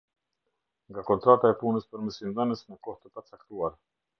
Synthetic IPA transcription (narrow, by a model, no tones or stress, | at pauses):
ŋɡakɔnt̪ɾat̪aɛpunəspəɾməsind̪anəsməkɔht̪əpat͡sakt̪uaɾ